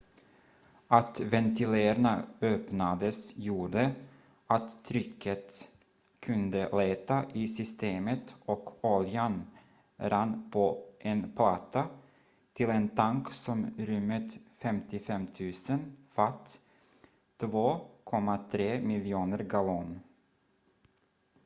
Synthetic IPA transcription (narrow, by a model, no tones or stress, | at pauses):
at̪vɛnt̪ʰɪleːɾnaøːpnad̪əsjuːɖə | ʔat̪ʰːɾʏkʰːət̪ | kʰɵnd̪əleːt̪aʔɪsʏst̪eːmət̪ɔkɔljan | ɾanːpʰɔʔɛnpʰlɑːt̪ʰa | t̪ʰɪlɛnt̪ʰaŋksɔmɾɵmːət̪fɛmt̪ɪfɛmt̪ʰʉ̟ːsənfat̪ː | voːkʰɔmːat̪ʰɾeːmɪljuːnəɾɡalun